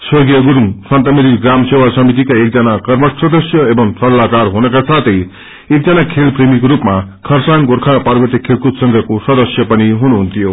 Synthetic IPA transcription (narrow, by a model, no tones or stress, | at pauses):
sʌɡjʌɡuɾuŋsʌnt̪ʌmiɾiɡramsewasʌmit̪̬ikaek̚d͡zʌnakʌrmʌsʌd̪ʌsjʌebʌmsʌlakarɦunʌkasat̪ʰʌj | ek̚d͡zʌnakʰelpremikoɾupmakʰʌrsaŋɡorkʰapaɾbʌt̪jikʰelkut̪sʌŋɡʱʌkosʌd̪ʌsjʌpʌniɦunuɦunt̪ʰijo